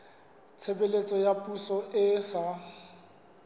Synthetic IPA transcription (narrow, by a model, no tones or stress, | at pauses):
t͡sʰebelet͡sʼɔjapʼusɔʔɪsa